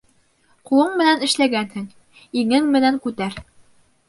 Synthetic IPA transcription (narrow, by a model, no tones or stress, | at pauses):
qulˠɤɴmɘ̆nænɘ̆ʃlæɡænhɘŋ | iŋɘŋmɘ̆næŋkʉt̪æɾ